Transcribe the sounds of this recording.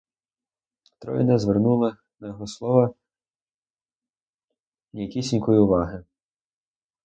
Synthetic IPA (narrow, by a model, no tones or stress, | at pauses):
t̪ɾɔ̰j̰nɛzʋernulˠɪ | nɐjɔɦɔslˠɔʋɐ | nʲijɐkʲisʲinʲkɔjiʊʋɑɦɪ